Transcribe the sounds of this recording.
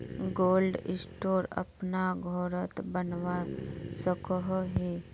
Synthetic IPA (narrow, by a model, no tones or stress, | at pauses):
ɡoːlɖɪsʈoːɾɐ̰pnaɡʱɔːɾət̪bənʋasəkəɦɦi